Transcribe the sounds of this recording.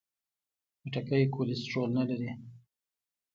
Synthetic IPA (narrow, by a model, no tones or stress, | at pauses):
pəʈakəjkʰolɪsʈɾolnalaɾi